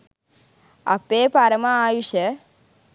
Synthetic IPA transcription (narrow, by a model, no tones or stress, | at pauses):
a̰peːpaɾmãːjuʃe